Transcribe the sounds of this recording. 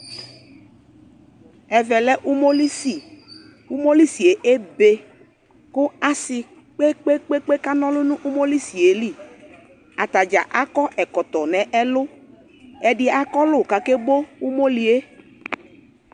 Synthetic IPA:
ɛ˨vɛ˨lɛ˦ʔu˦mo˦li˦si˨ | u˦mo˦li˦si˨e˨ʔe˦be˨ | kʊ˦a˨sɪ˨ | k͡pe˦k͡pe˦k͡pe˦k͡pe˦ka˦nɔ̃˦lʊ˦nũ˦ʔu˦mo˦li˦si˨e˨li˦ | a˨t̪a˨d͡ʒa̰˨ʔa˦kɔ˦ʔɛ˨kɔ˨t̪ɔ˨nɛ̃˨ʔɛ˦lʊ˦ | ɛ˨ɖɪ˦a˨kɔ˦lʊ˦˨ka˨ke˦bo˦u˦mo˦li˨e˦

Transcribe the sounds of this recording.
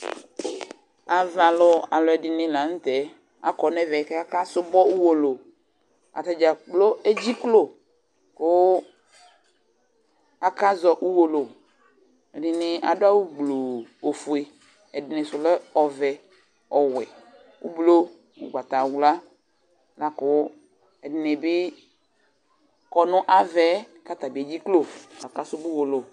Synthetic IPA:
a˨va˨lɔ˦a˨lɔ˨ɛ˨ɖɪ˨nɪ̃˨la˨˦ŋ̩˦t̪ɛ˨˦ | a˨kɔ˨nɛ˦vɛ˨kɛ˦a˦ka˦sʊ˦bɔ˦u˦wo˨lo˨ | a̰˨t̪a˨d͡ʒa˨k͡plo˦e˦d͡ʑi˦klo˦˨ | ko˦ | a˦ka˦zɔ˨ʔu˦wo˨lo˨ | ɛ˨ɖɪ˨nɪ˨a˨do˦a˦wu˦ɡ͡blo˨o˨fu˨e˨ | ɛ˨dɪ˨nɛ̃˨sʊ˨lɔ˦ɔ˨vɛ˨ | ɔ˨wɛ˨ | wṵ˦blo˦ | ṵ˨ɡ͡ba˨t̪a˨wu˦la˦ | la˨kʊ˦ | ɛ˨dɪ˨nɛ˨bɪ˦ | kɔ˨nʊ̃˦ʔa˨vɛ˦ka˦t̪a˨bi˨e˨d͡ʑi˦klo˦a˨ka˦sʊ˦bu˦wo˨lo˨

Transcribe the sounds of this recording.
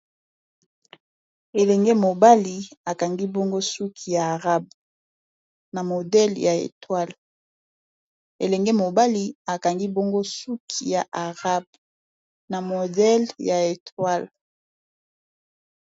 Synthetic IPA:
e˨lɛ˨ŋɡɛ˦mo˨ba˦li˨a˨ka˨ŋɡi˦bo˦ŋɡo˦su˦kʰi˨ja˨ʁa˦b̚ | na˨mo˨dɛ˦lja˨ḛ˨twa˦l | ḛ˨lɛ˨ŋɡɛ˦mo˨ba˦li˦a˨ka˨ŋɡi˦bo˦ŋɡo˦su˦kʰi˨ja˨ʔa˨ʁa˦b̚ | na˨mo˨dɛ˦lja˨e˨tʰwa˦l

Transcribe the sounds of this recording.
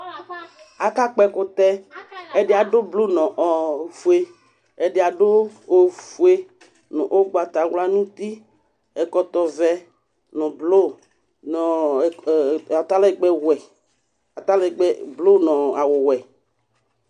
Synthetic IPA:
a˨ka˦k͡pɛ˦ko˦t̪ɛ˦e˦ɖe˦a˨ɖo˦blo˦nɔ̃˨ʔɔ˨fu˨e˦ | e˨ɖe˨a˨ɖo˦o˨fu˨˦e˦ | nɔ̰̃˨ʔo˦ɡ͡ba˨t̪a˨wla˦nũ˦t̪i˦ | ɛ˨kɔ˦t̪ɔ˨vɛ˦ | nɔ̃˨blo˦ | nɔ˨ | a˨t̪a˦le˦˨ɡ͡bɛ˦wwɛ˨ | a˨t̪a˦le˦˨ɡ͡bɛ˦blo˦nɔ̃˨a˨wo˨wɛ˨

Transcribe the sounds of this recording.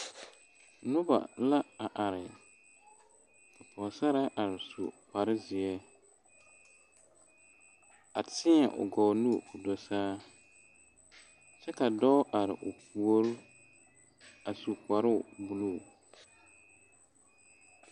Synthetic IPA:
nʊ˦ba̰˨la˦a˨ʔa˨ɾɪ˨ | kʰa˨pɔ˨sa˦ɾa˦ʔa˨ɾɪ˨sṵ˨k͡pa˨ɾɪ˦zɪ˨ɛ˦ | a˨tɪ˦ɛ˨ʔʊ̰˨ɡɔ˨nu˦˨ʊ˨dɔ˨saː˦ | t͡ʃɛ˦ka˨dɔ˦ʔa˨ɾɪ̰˨ʔʊ˨ku˨o˦ɾʊ˦ | a˨su˨k͡pa˨ɾʊ˦ʊ˨bu˨lu˦˨

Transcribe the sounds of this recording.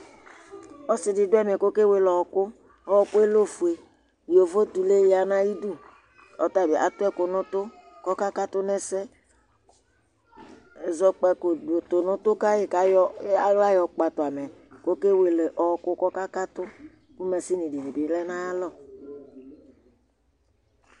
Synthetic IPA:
ɔ˦sɪ˨dɪ˨dʊ˦ɛ˦mɛ˨ko˦ke˦we˨lɔ˨ɔ˨kʊ˦ | ɔ˦wɔ˦kʊ˦e˦lo˦fu˨e˨ | jo˨vo˦t̪u˨le˦ja˨nã˦ji˦du˦ | ɔ˨t̪a˦˨bi˨a̰˨t̪ʊ˦ɛ˦ko˨nʊ̃˦t̪ʊ˦ | kɔ˦ka˦ka˦t̪ʊ˦nɛ˦sɛ˦˨ | zɔ˦k͡pɛ˦ko˨dt̪o˨nʊ̃˦t̪ʊ˦ka˦je˨ka˨˦jɔ˦la˦jɔ˨k͡pa˨t̪ʊ˨a˨mɛ˨ko˦ke˦we˨le˨ʔɔ˨ɔ˨kʊ˦kɔ˦ka˦ka˦t̪ʊ˦ | ku˦mɛ˨si˦nĩ˨di˨ni˨bi˨˦lɛ˦nã˦ja˦lɔ˦˨

